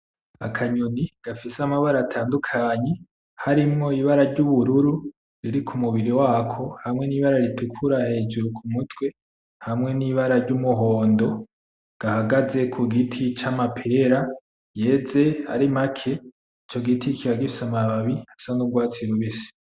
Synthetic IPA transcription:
akʰaɲuniɡ̥afisamaβaɾatʰaːndukʰaːɲe̞ | haɾimŋo̞iβaɾaɾɟuβuɾuɾu | ɾiɾikʰumuβiɾiwaːkʰo̞hamŋe̞niβaɾaɾitukʰuɾahe̞ːd͡ʒuɾukʰumutʰwe̞ | hamŋe̞niβaɾaɾɟumuɦo̞ːndo̞ | ɡ̥ahaɡaze̞kʰuɡitʰit͡ʃamapʰe̞ɾa | je̞ːze̞haɾimakʰe̞ | it͡ʃo̞ɡitʰikʰiβaɡifi̥samaβaβihḁsanuɡwaːt͡siɾuβisi̥

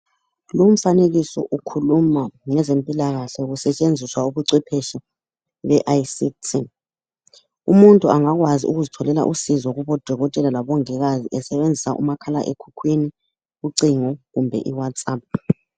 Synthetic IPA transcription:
lum̩faneɣisɔ̰ʔukʰulumaŋɛzempʼilaɣaɬɛuɣusɛt͡ʃʼend͡zʱiswauβuǀipʰɛʃɔ | βɛʔajsitʰi | umuntʼuaŋaɣwaziʔṵɣuzitʰɔlɛla̰ʔusizɔɣuβɔd̥ʱɔɣɔtʼɛlalaβɔŋɛɣaziʔɛsɛβend͡zʱisaʔṵmakʰalaʔḛkʰu̥kʰwini | ɣuǀiŋɔɣumbʱɛ̰ʔiwatsʼaːp̚

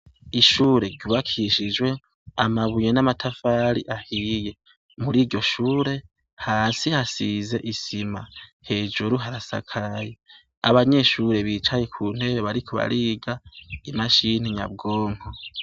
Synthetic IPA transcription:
iʃuːɾe̞ɟuβakʰiʃid͡ʒwe̞ | amaβujenamatʰafaːɾḭʔahije̞ | muɾiːɾɟo̞ʃuːɾe̞ | haːsihasize̞ʔisimahe̞ːd͡ʒuɾuɦaɾasa̰kʰaje | aβaɲe̞ʃuːɾe̞βiːt͡ʃaje̞kʰuːn̥e̞βeβaɾikʰoβa̰ɾiːɡaimaʃin̥iɲa̰b̚ɡoːŋo

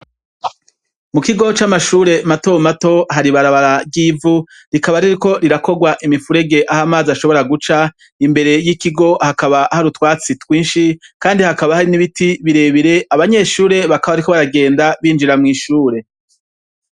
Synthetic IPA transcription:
mukiɡo̞t͡ʃamaʃuːɾe̞mato̞mato̞ɦaɾiβaɾaβaɾabɡiːvu | ɾikaβaɾiɾiko̞ɾiɾako̞ɡwaʔimifuɾe̞ɡe̞ʔahamaːziaʃo̞βo̞ɾaɡut͡ʃa | imbe̞ɾe̞jikiɡo̞hakaβahaɾutwaːt͡sitwiːnʃikaːndihakaβahaɾiniβitiβiɾe̞βiɾe̞ʔaβaɲe̞ʃuːɾe̞βakaβaɾikoβaɾaɡe̞ːndaβiːnd͡ʒiɾamŋiːʃuːɾe̞

